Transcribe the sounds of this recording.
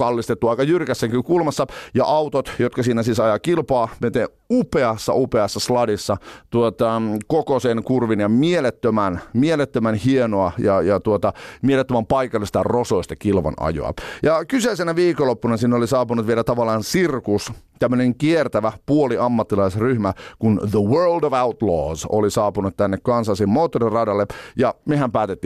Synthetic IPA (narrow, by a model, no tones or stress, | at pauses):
kɑlːist̪et̪ːuɑikɑjyrkæsːeŋkikulmɑsːɑjɑ̰ʔɑwt̪ot̪jot̪kɑsiːnæsisɑjɑkilpɑːmet̪eː | upeɑsːɑ̰upeɑsːɑslɑdisːɑt̪uot̪ɑkokosenkurʋinjɑmielet̪ːømænmielet̪ːømænhienoɑjɑjɑt̪uot̪ɑmielet̪ːømæmpɑikɑlːˑist̪ɑrosoist̪ɑkilʋɑ̰nɑ̰jo̰ɑ̰jɑkyseisenæʋiːkolopːunɑsinːolisɑːpunut̪ʋielæt̪ɑʋɑlːˑɑːnsirkus | t̪æmːøneŋkiert̪æʋæpuoliɑmːɑt̪ːilɑisryhmækunðəwɜːldoʋawt̪lo̰ːso̰lisɑːpunut̪t̪ænːekkɑnsɑːsimoːt̪ːorirɑdɑlːejɑmehæmpæːt̪et̪ːiː